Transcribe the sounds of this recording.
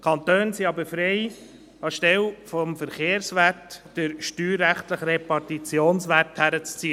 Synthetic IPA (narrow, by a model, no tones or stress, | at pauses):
kʰɑnt̪øːnsiɑbəɾfɾeɪ | ɑʃtɛlfɔmfəɾχeːɾsʋætd̥əɾʃtyːɾːæχtləχɾepɑɾtit͡sjoːnsʋærthæɾət͡st͡siːə